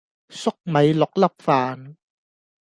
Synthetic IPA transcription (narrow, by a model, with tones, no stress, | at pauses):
sʊ˥k̚mɐ˨˧jlʊ˨˩k̚lɐ˦˥p̚faː˨˧n